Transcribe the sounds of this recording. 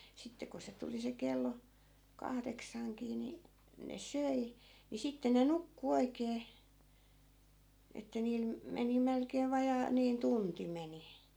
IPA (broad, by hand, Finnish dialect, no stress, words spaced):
sitːe ko se tuli se kelːo kɑhdeksɑŋkiː ni ne søi ni sitːe ne nukːu oikeː etːæ niːl me meni melkeːʋ ʋɑjɑː niːn tunti meni